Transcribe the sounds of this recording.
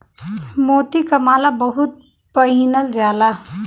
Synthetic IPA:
mot̪ikəmaːlabəɦut̪̚ | pəɦinəld͡ʒaːla

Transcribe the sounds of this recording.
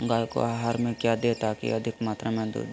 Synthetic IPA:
ɡaːjko̰aːɦaːɾmẽkjad̪eːt̪akḭɐd̪ʱɪkmaːt̪ɾamẽd̪ṵ

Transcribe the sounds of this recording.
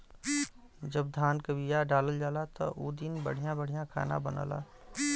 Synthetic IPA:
d͡ʒəbd̪ʱaːnkəbijaɖaːləld͡ʒaːlat̪ɔ̰ʔud̪ɪnbə̰ɽ̤ijãbəɽ̤ijãkʰa̰ːnã̰bənə̰la̰ː

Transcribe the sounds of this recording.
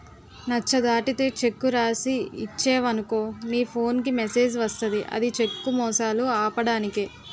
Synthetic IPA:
nɐt͡ʃːɐd̪aːʈit̪e̞ːt͡ʃe̞kːuɾaːsiːt͡ʃːeːʋɐnuko̞ːniːpʰo̞ːnk̬imese̞ːd͡ʒʋɐst̪ɐd̪iʔɐ̰d̪it͡ʃe̞kːumɔːsaːluaːpɐɽaːnikeː

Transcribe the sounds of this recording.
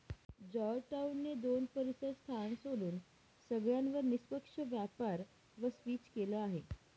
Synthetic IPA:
d͡ʒɔɾʈaunːed̪oːnpəɾisəd̪st̪ʰansoluːn | səɡɭjãnʋəɾnɪspəkʂəʋjapaːɾ | ʋəspiːt͡ʃkeləaɦe

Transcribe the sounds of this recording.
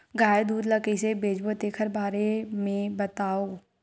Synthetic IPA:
ɡaːjd̪uːd̪ləkəsebeːd͡ʒbot̪eːkʰəɾbaːɾemẽbət̪aːoː

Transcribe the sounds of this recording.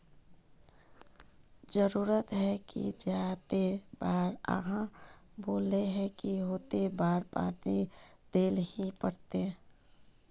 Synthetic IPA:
d͡ʒəɾuːɾət̪ɦɛkḭd͡ʒjat̪ebaːɾə̰ɦãboːleɦɛkiɦoːt̪ebaːɽpa̰ːɾnid̪̥eːlhipəɽt̪e

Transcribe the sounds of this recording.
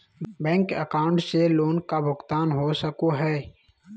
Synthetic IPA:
bɛ̃ːŋkəkaːʊ̃ɳʈseloːnkabʊkt̪aːnɦosəkoɦɛː

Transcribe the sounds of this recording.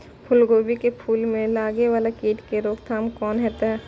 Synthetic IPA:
pʰʊlɡoːbikepʰuːlmẽlaːɡeʋaːlakiːʈkeɾoːkt̪ʰaːmkɔːnɦɛːt̪aɦɛː

